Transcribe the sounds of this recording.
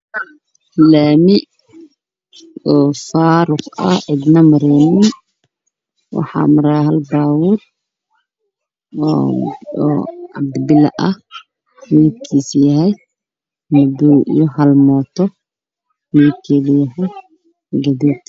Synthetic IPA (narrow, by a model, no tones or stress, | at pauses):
laːmɪ | ɔːfaːɾʊqɐʕɪd̪nɐmɐɾɛːnɪn | wɑ̰ħɑ̰ːmɐɾaːɦɐlbaːwʊːr | ɔːʕɑ̰b̚d̪bɪlɐ̰ʔɐh | miːd̪kʰiːsjɐɦɛj | mɐduːʔjɔhɐlmɔːt̪ʰɔ | miːd̪̚kʰɛːðɐjɐɦɛj | ɡɐðuːt̪